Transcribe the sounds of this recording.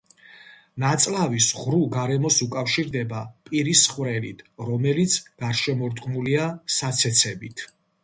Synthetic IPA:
nat̪sʼlavisʁɾuɡaɾɛmɔsukʼafʃiɾd̪ɛbapʼiɾisχvɾɛlḭt̪ʰɾɔmɛlit̪sʰɡ̥aɾʃɛmɔɾt̪ʼqʼmuliasat̪sʰɛt̪sʰɛbit̪ʰ

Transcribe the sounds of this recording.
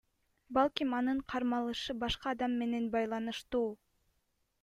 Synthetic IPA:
bɑlˠkʲimɑnɯɴqʰɑɾmɑlˠɯʃɯbɑʃqɑːd̪ɑmːe̞ne̞nbɑjlˠɑnɯʃt̪uː

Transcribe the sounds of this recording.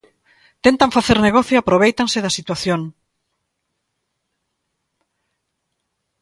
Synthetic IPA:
t̪ent̪aɱfaθeɾneɣɔθjoapɾoβ̞ejt̪aŋseðɐsit̪waθjoŋ

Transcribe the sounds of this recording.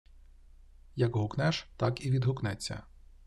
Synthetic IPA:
jɐkɦʊknɛʃt̪ɑkiʋʲid̪ɦʊknɛt͡sʲːɐ̰

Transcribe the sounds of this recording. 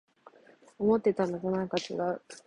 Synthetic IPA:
omo̞t̪ːe̞t̪anoɡonakat͡ɕiɡa

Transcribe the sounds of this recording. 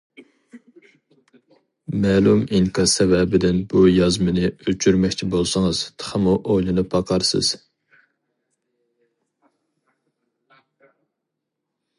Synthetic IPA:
mɛːlˠumiŋkʰɑsɛvɛbɪd̪ɪnb̥ujɑzmɨnɨøt͡ʃʰyɾmɛkʲt͡ʃʰibolˠsɨŋɨz̥t̪ʰə̥χʰəmuʔojlˠɨnɨpʰːɑqʰɑɾsɨ̰z̥

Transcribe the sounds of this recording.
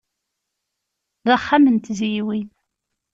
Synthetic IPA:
ðaχːamənt̪zijwin

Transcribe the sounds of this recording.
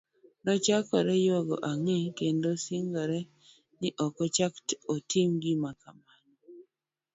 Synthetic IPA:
nɔt͡ʃakɔɾɛjoɡɔ̰ʔaŋekendosiŋɡɔɾɛ | nɪʔɔkɔt͡ʃaktotimɡimakaman

